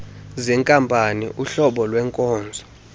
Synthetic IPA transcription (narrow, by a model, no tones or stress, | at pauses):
zɛŋkʼampʼaniʔuɬɔɓɔlwɛŋkʼɔːnd͡zʱɔ